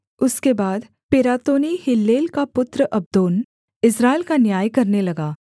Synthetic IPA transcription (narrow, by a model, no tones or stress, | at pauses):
ʊskebaːd̪ | pɪɾaːt̪oːnihɪlːeːlkapʊt̪ɾəʔɐb̚d̪oːn | ɪsɾaːɪlkanjaːjkɐɾnelɐɡaː